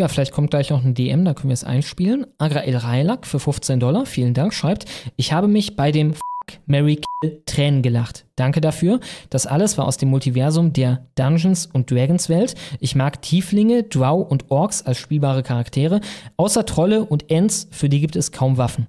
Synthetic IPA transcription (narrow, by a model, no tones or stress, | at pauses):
jaːfɪlaɪçtkʰɔmtɡ̥laɪçnɔχnədeʔɛmdankʰœn̩viɐəsʔa̰ɪnʃpiːlənʔaɡʁaʔelʁaɪlakfyːɐfʊft͡seːndɔlɐfiːləndaŋkʃʁ̥aɪp̚tʔɪçhaːbəmɪçb̥aɪdeːmfakmɛʁikʰɛltʁ̥ɛːnənɡəlaχtd̥aŋkədafyːɐd̥asʔa̰ləsv̥aːɐʔaʊsd̥eːmʊltivɛɐzʊmdeːɐd̥anʒn̩sʊnt̚d̥ʁɛɡn̩sv̥ɛltʔɪçmaːktʰiːflɪŋədaʊʔʊntʔɔɐksalsʃpiːlbaːʁ̞əkʰaʁaktʰeːʁəʔaʊsɐtʁ̥ɔləʔʊntʔɛnt͡sfyːɐdiːɡiːp̚tɛskʰaʊmvafn̩